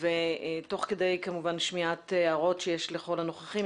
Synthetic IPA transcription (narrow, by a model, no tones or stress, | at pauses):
veto̞χkede̞jkamuvanʃmiat̪aʁo̞tʃejeʃleχo̞lano̞χaχi